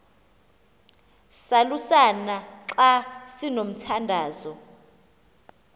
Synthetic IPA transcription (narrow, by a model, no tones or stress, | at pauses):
salusanaǁasinom̩tʰandʱaːzɔ